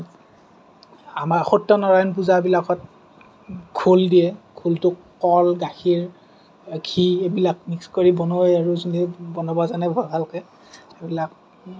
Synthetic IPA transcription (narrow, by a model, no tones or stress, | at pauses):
amaɹxɔtːɔnɔɹajɔnp̬uzabilakɔt̚ | kʰuldijɛkʰultʊkː | ɔlɡaxiɹ | kʰiebilak̚nikskoɹibɔnojaɹuzunibɔnɔbazanɛbʱɔɡalkɛ | ebilak̚